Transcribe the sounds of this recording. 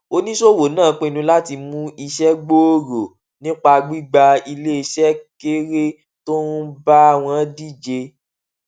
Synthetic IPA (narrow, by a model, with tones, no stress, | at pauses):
o˦nĩ˦ʃo˦wo˨˦nãː˦˨˦k͡pẽ˦˧nũ˧la˦ti˧mũ˦i˧ʃɛ˦ɡ͡bo˦o˦ɾo˨ | nĩ˦k͡pa˧ɡ͡bi˦ɡ͡ba˧i˧le˦i˧ʃɛ˦ke˦ɾe˦ | to˦n̩˦ba˦a˧˨w̃ɔ̃˧˦di˦˨d͡ʒe˧